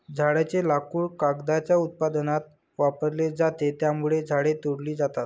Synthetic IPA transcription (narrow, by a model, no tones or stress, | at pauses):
d͡zʱaɽat͡ɕelakuːɭkaɡd̪at͡ɕjaut̪̚pad̪ənat̪ | ʋapəɾled͡zat̪et̪jamuɭed͡zʱaɽet̪oɽliːd͡zat̪at̪